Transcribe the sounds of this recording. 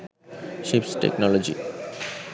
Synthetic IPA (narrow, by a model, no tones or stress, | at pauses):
ʃipsʈḛknɔlod͡ʑḭ